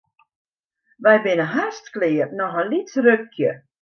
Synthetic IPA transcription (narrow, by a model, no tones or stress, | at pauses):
ʋɛjbɪnəɦastklɪərnɔxənlitrøkʰjə